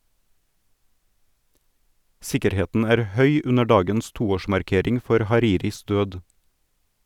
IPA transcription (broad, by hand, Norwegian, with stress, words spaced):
ˈsɪkəɾˌheːtn̩ ˈæːɾ ˈhœʏ ˈʉnə ˈɖɑːɡəns ˈtuːˌoːʃmɑɾˌkeːɾɪŋ ˈfɔɾ hɑˈɾiːɾɪs ˈdøːd